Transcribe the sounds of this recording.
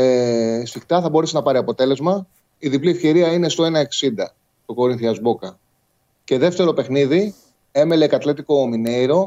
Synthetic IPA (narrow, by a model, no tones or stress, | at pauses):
sixt̪ɐθɐbo̞ɾesenɐpɐɾiɐpo̞t̪e̞le̞zmɐ | iðipliefçe̞ɾiɐine̞st̪o̞e̞nɐe̞ksind̪ɐ | t̪o̞ko̞ɾinθiɐzbo̞kɐ | ce̞ðe̞ft̪e̞ɾo̞pe̞xniði | e̞melekɐt̪let̪iko̞ːmine̞iɾo̞